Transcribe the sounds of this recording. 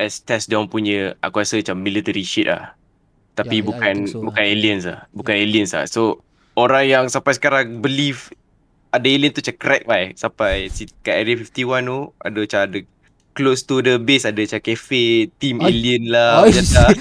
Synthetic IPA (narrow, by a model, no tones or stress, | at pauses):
ʔɛst̪ɛsdawnpuɲə̃a̰kuasəat͡ʃamːilit̪əɾiʃit̪̚la̰h | t̪apibukanbukaneliəns̬la̰hbukaneliənsla̰so | oɾaŋjaŋsampajs̬ə̥kaɾaŋbəlif | adaeliənt̪ut͡ʃakɾɛk̚bajsapajsikaʔɛɾiəfift̪iwanoa̰dət͡ʃadə | klost̪udəbesadət͡ʃakɛfet̪imeliənlad͡ʒat̪a